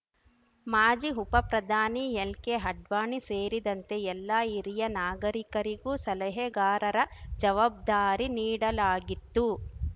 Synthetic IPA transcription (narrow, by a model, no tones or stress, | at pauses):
maːd͡ʒiɦupɐpɾɐd̪ʱaːniɛlkeɦɐɖʋaːɳiseːɾid̪ɐnt̪e̞ɛlːaːiɾijɐnaːɡɐɾikɐɾiɡuːsɐlɐɦeɡaːɾɐɾɐd͡ʒɐʋaːb̚d̪aːɾiniːɽɐlaːɡit̪ːu